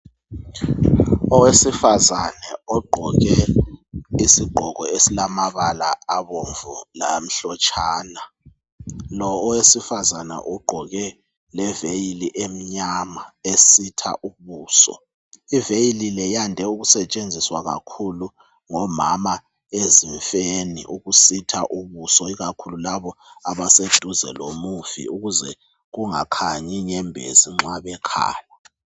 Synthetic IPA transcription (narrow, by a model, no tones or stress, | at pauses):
ɔwesifazanɛɔɡ͡ǃʱɔɣɛ | isiɡ͡ǃʱɔɣɔesilamaβalaːβɔɱvɔla̰m̩ɬɔt͡ʃʼʰaːna | lɔːwesifazana̰ʔɔɡ͡ǃʱɔɣɛ | lɛvejiliʔem̩ɲamaesitʰa̰ʔuβuːsɔ̰ | ivejililɛjandʱɛuɣusɛt͡ʃʼend͡zʱiswaɣa̰kʰulu | ŋɔmama | eziɱfenḭʔuɣusitʰaʔuβusɔiɣakʰululaβɔaβased̥ʱuzɛ̰lomufḭuɣuzɛ | ɣuŋa̰kʰaɲiŋɛmbʱḛziŋ͡ǁaβɛkʰa̰ːla